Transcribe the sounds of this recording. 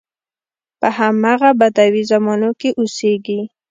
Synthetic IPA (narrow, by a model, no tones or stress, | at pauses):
pəhamaɣabad̪awizamɑnokeʔoseɡi